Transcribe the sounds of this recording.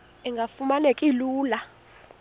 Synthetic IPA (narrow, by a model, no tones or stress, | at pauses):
iŋɡʱafumanekʼiluːla